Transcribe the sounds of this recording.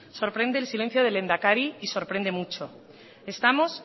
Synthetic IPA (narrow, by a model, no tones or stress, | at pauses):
so̞ɾpɾe̞nd̪e̞ːlsile̞n̟θjo̞ðe̞le̞nd̪akaɾiːso̞ɾpɾẽ̞nd̪e̞mut͡ʃo̞ | e̞st̪amo̞s